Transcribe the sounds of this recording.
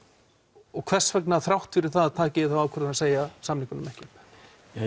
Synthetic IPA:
ɔɣkʰvɛr̥svɛk̚naθɾawht̪fɪɾɪɾ̥θaðat̪ʰaːcɪðɪθavawkʰʏɾaaseːjasamnikʏnʏmɛhcɪp

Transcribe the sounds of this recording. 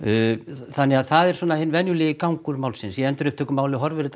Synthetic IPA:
θanːɪaðθaðɛɾ̥swɔːnahɪnːvɛnjʏlɪːjɪkawŋkʏɾmaːwlsɪnsjɛɛnt̪ɪɾʏhpt̪ʰɛːkʏmaːwlɪɦɔɾvɪɾɪt̪

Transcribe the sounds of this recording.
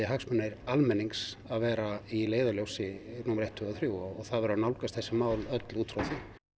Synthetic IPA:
ɪɦaksmʏnajɾalmɛnːiŋksaðvɛːɾaileːjðaljowsɪnuːmɾejht̪ʰːʏːɣaθɾjuːwɔɔɣθaðvɛɾʏanawlkast̪θɛsɪmaːwlœt̪luːt̪ʰɾoθɪ

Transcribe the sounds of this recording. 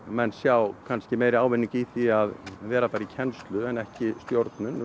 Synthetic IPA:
mɛnsjaːwkʰanscɪmeːjɾɪaːwvɪnːiŋkiθiaðvɛːɾapaːjɾɪcʰɛnst̪lʏɛnɛhcɪst̪joɾt̪nʏn

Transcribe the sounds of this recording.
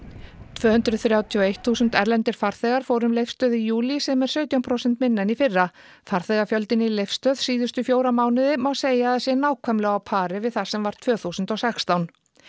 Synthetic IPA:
t̪ʰvœːhʏnt̪ɾʏθɾjaːwt̪ʰiɔejht̪θuːsʏnt̪ɛɾlɛnt̪ɪɾ̥faɾ̥θɛːɣaɾ̥foːwɾʏmlejfst̪œːðijuːlisɛmɛɾ̥sœːɥt̪jawmpʰɾowsɛnt̪mɪnːɛnifɪrːa | faɾ̥θɛːɣafjœlt̪ɪnɪilejfst̪œːðsiːðʏst̪ʏfjoːwɾamaːwnɪðɪmawseːjaðsjɛnaːwkʰvɛmlɛɣawpʰaːɾɪvɪðθḁsɛmvaɾ̥t̪ʰv̥œːθusʏnt̪ɔwsɛkst̪awn

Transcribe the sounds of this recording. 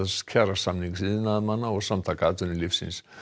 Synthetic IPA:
scʰaɾasamniŋksiðnaðmanːaɔɣsamt̪ʰakaːt̪ʏnɪlifsḭns

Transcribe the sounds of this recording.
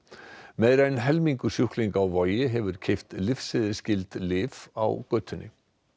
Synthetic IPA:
mɛjɾanɦɛlmiŋkʏsjuhkliŋkawvaːjɪɦɛvʏɾ̥cʰejft̪lɪfsɪðɪɾscɪlt̪lɪːva̰wkœt̪ʰːʏnːɪ̰

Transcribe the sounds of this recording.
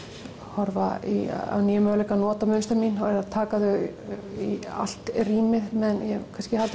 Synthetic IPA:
hɔɾvaḭa̰wniːjʏmœlɛkanɔːt̪amʏnst̪aminɛɾaðt̪ʰaːkaðʏia̰l̥t̪riːmɪðmɛðnjɛkʰanscɪhalt̪

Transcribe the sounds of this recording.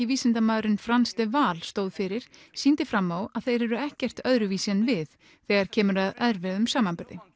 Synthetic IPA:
ɪviːsɪnt̪amaːðɾɪnfɾanst̪ɪvaːlst̪oːwðfɪɾɪɾ̥siːnt̪ɪfɾamːawaðθejɾɛɾʏɛhcɛr̥t̪œðɾʏviːsɛnvɪð | θɛɣaɾ̥cʰɛːmʏɾaðɛðɾvɛðʏmsaːmanpʏɾðɪ

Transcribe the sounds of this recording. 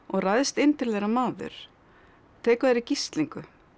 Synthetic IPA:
ɔɣrajðst̪ɪnt̪ɪɾlɛjɾamaːðʏ̰ɾ̥ | t̪ʰɛːkðɛɾicist̪liŋkʏ

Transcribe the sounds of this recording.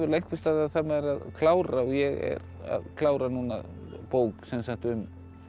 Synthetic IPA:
vʏɾlejŋ̥kvɪst̪aːðaðθamaɛɾaðkʰlaːwɾaɔjɛɣɛ̰ɾa̰ðkʰlaːwɾanuːna̰poːwksɛnsakt̪ʏm

